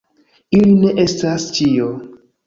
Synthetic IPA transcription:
iline̞ʔe̞stast͡ʃio

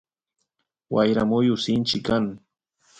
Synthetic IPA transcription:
wajɾamʊjʊsɪnt͡ʃɪkaŋ

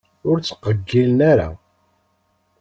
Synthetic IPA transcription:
ʊɾt͡sːə̥qːəɡːilənaɾa̰

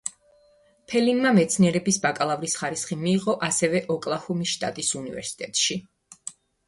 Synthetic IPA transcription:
pʰɛlinmamɛt̪sʰniɛɾɛbisbakʼalˠavɾisχaɾisχimiːʁɔʔasɛvɛʔɔkʼlˠahumisʃt̪ʼa̰t̪ʼisunivɛ̰ɾsi̥t̪ʼɛt̪ʼʃi

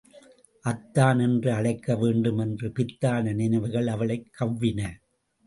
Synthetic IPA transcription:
ʔɐt̪ːaːnɛndrɯɐɭɐɪkːɐʋeːɳɖɯmɛndrɯpɪt̪ːaːnɐnɪnɐʋɐɣɐɭɐʋɐɭɐɪkʰːɐʋːɪnɐ

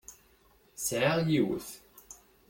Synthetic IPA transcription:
sʕaʁjiw̰θ

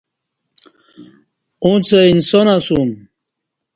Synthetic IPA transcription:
ũt͡seinsonasum

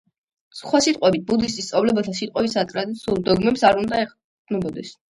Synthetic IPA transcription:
sχwasit̪ʼqʼwɛbit̪̚bud̪ist̪ʼist̪sʼavlɛbat̪ʰasit̪ʼqʼɛbisat̪ʼɾad̪it̪sʰiulˠd̪ɔɡmɛpsaɾund̪aɛ̥ | nɔbɔd̪ɛs

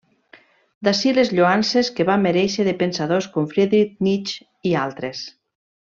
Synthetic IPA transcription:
d̪asilezʎoanseskeβamːeɾɛʃeðepensaðoskomfɾeðɾik̚nit͡ʃ | ialˠt̪ɾes

